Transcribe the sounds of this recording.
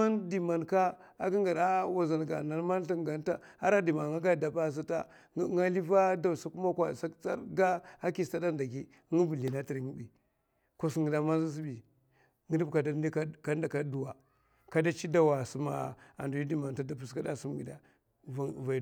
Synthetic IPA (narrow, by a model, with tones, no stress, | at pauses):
a˦ndi˨ma˨nka˦ | a˦ɡi˦ŋɡa˨ɾa˦wa˨za˨n˨ɡa̰˨na˨n˦ma˦n˦ɬa˦ŋɡa˨nta˦a̰˦ɾa˦di˨ma˨ŋa˦ɡa˦da˨ba˦˨s̬a˦ta̰˦ | ŋa˦li˦va˦da˨sa˦ku˦ma˦kʷa˨sa˦t͡sa˦ɾɡa˦a˦ki˨sta˦da˦nda˨ɡi˦ | ŋi˦vu˨li˨na˦ti˨ɾŋi˦bi˨ | ko˦si˦ŋɡi˨da˦ma˦zi˦s̬i˦bi˨ | ŋi˦di˦bka˨da˦di˦kka˦nda˨ka˦du˨wa˨ | ka˦da˦t͡ʃi˦da˦wa˨su˦ma̰˨a̰˨ndu˨ji˦di˦˨ma˨n˨ta˦da˨pu˨ska˦da̰˦su˦m˦ɡi˨da˨ | va˨